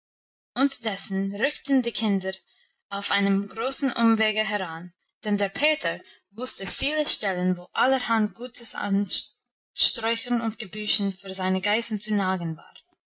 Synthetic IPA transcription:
ʊntədɛsn̩ɾʏktn̩diːkʰɪndəɾ | aʊfaɪnəmɡɾoːsn̩ʔʊmveːɡəɦɛɾan | d̥ɛndeɾpʰeːtʰəɾ | vʊstəfiːləʃtɛlənvoːʔaləɾhantɡ̥uːtʰəsa̰n | ʃtɾɔʏçənʊntɡ̥əbyːʃn̩fyːɹzaɪnəɡaɪzn̩t͡sunaːɡən̩va̰ːʁ

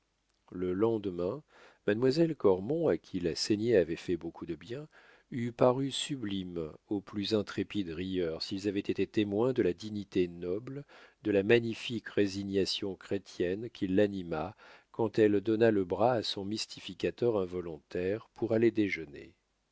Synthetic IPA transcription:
ləlɑ̃d̪mɛ̃ | mad̪mwazɛlkɔʁmɔ̃akʲʰilaseɲeavɛfɛbokʰud̪əbjɛ̃ | ypaʁysyblimoplyzɛ̃t̪χepid̪ʁijœʁsilzavɛt̪et̪et̪emwɛ̃d̪əlad̪iɲit̪enɔbld̪əlamaɲifikʁeziɲasjɔ̃kχet̪jɛnkʲʰilːanimakɑ̃t̪ɛld̪ɔnaləbʁaːsɔ̃mist̪ʰifikʲat̪œʁɛ̃vɔlɔ̃t̪ɛʁpʰuʁaled̪eʒənḛ

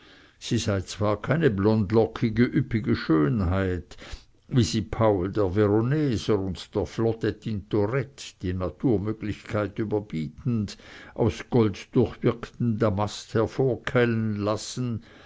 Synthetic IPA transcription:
z̥iːzaɪt͡sv̥aːɐkʰaɪnəblɔndlɔkʰɪɡəʔypɪɡəʃøːnɦaɪt | viːzipʰaʊldeːɐveʁonɛːzəʁʊntd̥eːɐflɔtetʰintʰoʁɛtd̥iːnatʰuːɐmøːɡlɪçkʰaɪtyːbɐb̥iːtn̩dʔa̰ʊsɡ̥ɔltd̥ʊɐçv̥ɪɐkn̩daɐmasthɛɐfoːɐkʰɛlənlasn̩

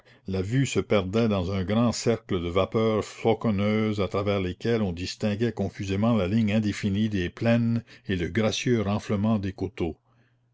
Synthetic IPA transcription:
lavysəpɛʁd̪ɛd̪ɑ̃zɛ̃ɡɾɑ̃sɛʁkləd̪əvapœːʁflɔkɔnøːzat̪ɾavɛːʁlekɛlɔ̃d̪ist̪ɛ̃ɡɛkɔ̃fyzemɑ̃lalĩŋɛ̃d̪efinid̪eplɛneləɡʁasjøɾɑ̃ːfləmɑ̃d̪eːkot̪o

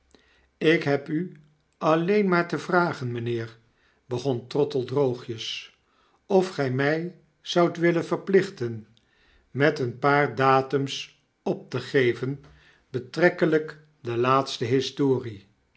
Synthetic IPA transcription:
ɪkɦɛpy | ɑlejnmaːɹtəvraːχənmənɪːɹ | bəχɔntrɔtəlˠdrowχjəs | ɔfχɛjmɛj | z̥ʌwtʋɪlənvəɹplɪχtən | mɛtənpaːɹdaːtəms | ɔp̚təχejvən | b̥ətrɛkələk | dəlaːtstəɦɪstoːri

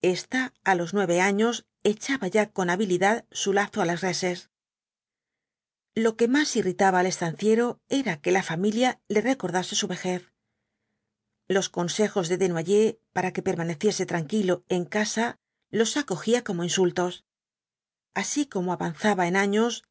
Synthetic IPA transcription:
e̞st̪aːlo̞znwe̞βe̞aɲo̞s | e̞t͡ʃaβaʝako̞naβiliðaðsulaθo̞alasre̞se̞s | lo̞ke̞masirit̪aβaːle̞st̪an̟θje̞ɾo̞e̞ɾake̞lafamiljale̞re̞ko̞ɾðase̞suβe̞xe̞θ | lo̞sko̞nse̞xo̞zðe̞ðe̞nwaʝe̞paɾake̞pe̞ɾmane̞θje̞se̞t̪ɾaŋkilo̞e̞ŋkasa | lo̞sako̞xiako̞mo̞insult̪o̞s | asiko̞moaβan̟θaβae̞naɲo̞s

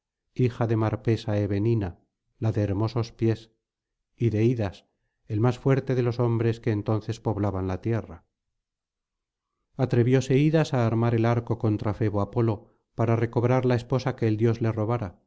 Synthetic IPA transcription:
ixaðe̞maɾpe̞saeβe̞nina | laðe̞ːɾmo̞so̞spje̞s | iðe̞iðas | e̞lmasfwe̞ɾt̪e̞ðe̞lo̞so̞mbɾe̞ske̞ːnt̪o̞nθe̞spo̞βlaβanlat̪je̞ra | at̪ɾe̞βjo̞se̞iðasaːɾmaɾe̞laɾko̞ko̞nt̪ɾafe̞βoapo̞lo̞ | paɾare̞ko̞β̞ɾaɾlae̞spo̞sake̞ːld̪jo̞zle̞ro̞β̞aɾa

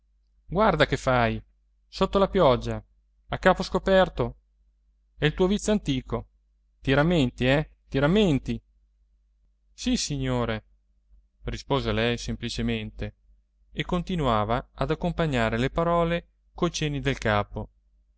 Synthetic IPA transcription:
ɡward̪akefːaj | sot̪ːolapjɔd͡ʒːa | akːaːposkopɛrt̪o | ɛilt̪uːovit̪sːoant̪iːko | t̪iɾamːent̪iɛt̪iɾamːent̪i | sisiɲːoːɾe | rispoːzelɛjsemplit͡ʃement̪eː | kːont̪inuaːvaad̪akːompaɲːaːɾelepaɾɔːle | kojt͡ʃɛːnid̪elkaːpo

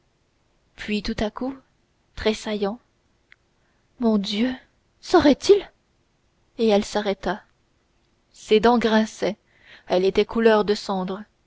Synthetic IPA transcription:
pʰɥit̪ut̪aku | t̪χesajɑ̃ | mɔ̃d̪jø | səʁɛt̪il | eɛlsaʁɛt̪a | sed̪ɑ̃ɡʁɛ̃sɛ | ɛlet̪ɛkʰulœʁd̪əsɑ̃d̪ʁ

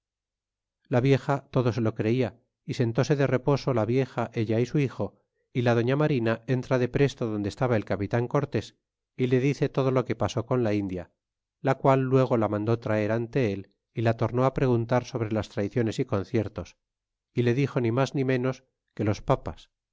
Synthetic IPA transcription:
laβje̞xat̪o̞ðo̞se̞lo̞kɾe̞ia | ise̞nt̪o̞se̞ðe̞re̞po̞so̞laβje̞xaʔe̞ʎaisuixo̞ | ilaðo̞ɲamaɾinae̞nt̪ɾaðe̞pɾe̞st̪oðo̞nd̪est̪aβae̞lkapit̪aŋko̞ɾt̪e̞s | ile̞ðiθe̞t̪o̞ð̞o̞lo̞ke̞paso̞ko̞nlaind̪ja | lakwalːwe̞ɣ̞o̞lamãnd̪o̞t̪ɾae̞ɾant̪e̞el | ilat̪o̞ɾno̞apɾe̞ɣ̞unt̪aɾso̞βɾe̞last̪ɾaiθjo̞ne̞siko̞nθje̞ɾt̪o̞s | ile̞ðixo̞nĩmaznĩmẽ̞no̞s | ke̞lo̞spapas

